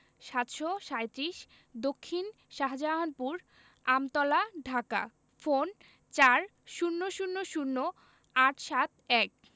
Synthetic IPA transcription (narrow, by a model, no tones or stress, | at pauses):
ʃat̪ʃoʃajt̪ɾiʃ | d̪okʰːin | ʃaɦad͡ʑaaɦanpuɾ | amt̪ɔlaɖʱaka̰ | fon | t͡ɕaɾ | ʃunːoʃunːoʃunːo | aʈʰʃat̪̚ɛk̚